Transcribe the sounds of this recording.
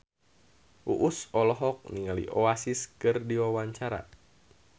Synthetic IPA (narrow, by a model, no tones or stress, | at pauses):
ʔuʔusɔlɔɦɔk̚niŋalḭʔɔasiskɨrdiwawaɲt͡ʃaɾa̰